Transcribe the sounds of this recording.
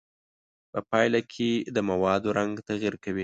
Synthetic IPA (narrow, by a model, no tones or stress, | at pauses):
pəpɑjlakʰed̪əmawɑd̪oɾaŋɡt̪aɣiɾkawi